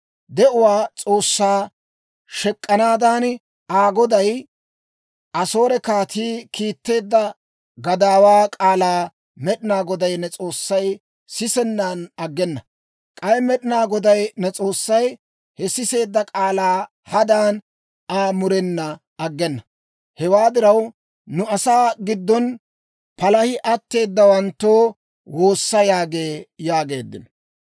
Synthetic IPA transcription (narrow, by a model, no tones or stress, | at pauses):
d̪ɛʔʊwaːt͡sʼo̞ːsːaː | ʃɛkʼːɐnaːd̪aːn | aːɡɔd̪ɐj | ʔɐsoːɾɛkaːt̪ʰiːkiːt̪ːe̞ːd̪ːɐ | ɡɐd̪aːwaːkʼaːlaː | mɛɗɪnaːɡɔd̪ɐjnɛt͡sʼo̞ːsːɐj | sɪsɛnːaːnɐɡːɛnːɐ | kʼɐjmɛɗɪnaːɡɔd̪ɐjnɛt͡sʼo̞ːsːɐj | hɛsɪse̞ːd̪ːɐkʼaːlaː | hɐd̪aːn | aːmʊɾɛnːɐ | ɐɡːɛnːɐ | hɛwaːd̪ɪɾɐw | nʊɐsaːɡɪd̪ːɔn | pɐlɐhɪʔɐt̪ːe̞ːd̪ːɐwɐnt̪ːoː | wo̞ːsːɐjaːɡe̞ːjaːɡe̞ːd̪ːɪ̰n